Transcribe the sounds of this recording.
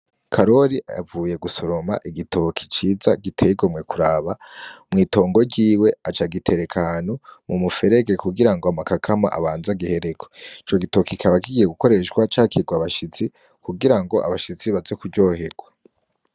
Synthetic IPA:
kʰaɾo̞ɾḭvuːje̞ɡusoɾo̞ma̰ʔiɡitʰo̞kʰi̥t͡ʃiːza̰ɡitʰeɡomŋe̞kʰuɾaβamŋiːto̞ːŋɡo̞ɟiːwe̞at͡ʃaɡitʰe̞ɾe̞kʰahanumumufe̞ɾe̞ɡe̞kuɡiɾaŋɡoamakakʰama̰ʔa̰βaːnzaɡihe̞ɾe̞koit͡ʃo̞ɡitokikʰaβakiɡijeɡuko̞ɾe̞ʃɡwat͡ʃaːkiɡwaβaʃit͡si | kʰuɡiɾaŋɡo̞ʔa̰βaʃit͡siβazekuɟo̞ːɦeɡ̥wa

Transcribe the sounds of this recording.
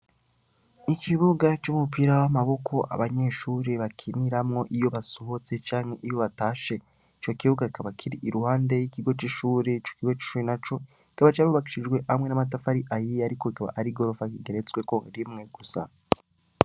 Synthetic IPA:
ikʰiβuɡat͡ʃumupiɾawamaβo̞kʰo̞ʔa̰βaɲe̞ʃuːɾeβakʰiniɾamŋo̞ʔijo̞βasoɦot͡se̞t͡ʃaːŋ̥he̞ʔijo̞βataːʃe̞ | it͡ʃo̞kiβuɡaikaβakʰiɾiʔiɾuhaːnde̞jikiɡo̞t͡ʃiʃuːɾet͡ʃokiɡo̞t͡ʃi̥ʃuɾenat͡ʃo̞ | ki̥kaβat͡ʃaɾuβaki̥ʃid͡ʒɡwe̞ʔamwe̞namat̬afaɾiʔajijaɾiko̞ikaβa̰ʔaɾiɡo̞ɾo̞fakiɡe̞ɾe̞t͡swe̞koɾimŋe̞ɡ̥usa̰

